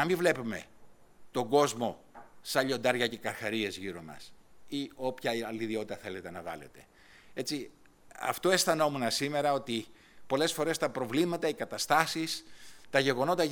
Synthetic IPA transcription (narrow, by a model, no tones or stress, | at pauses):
ɐmivle̞pume̞̰ | t̪o̞ɡo̞zmo̞ | sɐʎo̞nd̪ɐɾʝɐce̞kɐɾxɐɾie̞zʝiɾo̞nɐ̰sio̞pçɐliðio̞t̪it̪ɐθe̞le̞t̪e̞nɐɣɐ̰le̞̰t̪e̞̥ | e̞t͡si | ɐ̰ft̪o̞e̞st̪ɐno̞munɐsime̞ɾɐo̞t̪i | po̞le̞sfo̞ɾe̞st̪ɐpɾo̞vlimɐt̪ɐikɐt̪ɐst̪ɐsist̪ɐʝe̞ɣo̞no̞t̪ɐ